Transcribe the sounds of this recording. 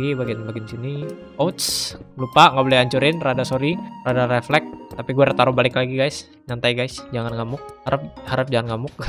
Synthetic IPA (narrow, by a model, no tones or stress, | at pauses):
ɡibaɡinbaɡɪnisini | ʔot̪slupaŋɡabolajaɲt͡ʃuɾɪnradasoɾiradaɾeflɛk̚t̪apiɡuɛɾət̪aɾubalɪklaɡiɡajs | ɲant̪ajɡajsd͡ʒaŋanŋamʊk̚haɾap̚haɾəp̚d͡ʒaŋanŋamʊk̚